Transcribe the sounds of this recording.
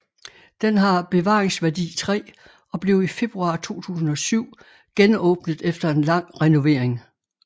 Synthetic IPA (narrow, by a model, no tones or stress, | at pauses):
d̥enɦɑ̈b̥e̝ʋɑ̰̈ːʁeŋsʋæɐd̥ḭːt͡sʰʁɛ̰ː | ɒ̽b̥le̝ʊife̝b̥ʁuɑ̰̈t͡sʰo̝̰ːt͡sʰṵːsn̩ɒ̽syʊ̰ | ɡ̥enɔ̽ːb̥nəðˠefd̥ɐe̝nlɑ̈ŋ̰ʁɛno̝ʋe̝ɐ̰eŋ